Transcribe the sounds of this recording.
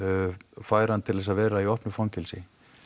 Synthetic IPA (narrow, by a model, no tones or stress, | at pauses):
faːjɾant̪ʰɪlðɛs̬avɛːɾaiɔhpnʏfɔncɪlsɪ